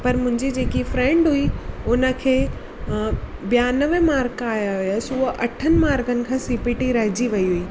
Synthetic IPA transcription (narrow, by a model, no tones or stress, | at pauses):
pɐɾmʊ̃ɦɪ̃ɲd͡ʑid͡ʑeːkifɾɛ̃ɳɖɦʊiʊnə̆kʰeː | bijanəʋəmaːɾkaːjaɦʊjasʊəʔɐʈʰənɪ̆maːɾkənɪ̆kʰãːsipɪʈiɾɐɦɪd͡ʑiʋɐiɦuiː